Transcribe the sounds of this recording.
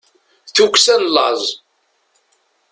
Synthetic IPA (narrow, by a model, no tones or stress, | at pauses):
θuksænlə̰zˤ